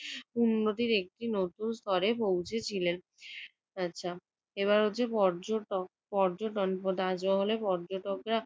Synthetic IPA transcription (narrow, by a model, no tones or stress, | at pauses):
unːot̪iɾek̚ʈinot̪unst̪ɔɾepowt͡ɕʰet͡ɕʰilen | atːɕʰa | eβaɾɦotːɕʰepɔɾd͡ʑoʈok̚pɔɾd͡ʑoʈonpod̪ad͡ʑoɦolepɔɾd͡ʑoʈokɾa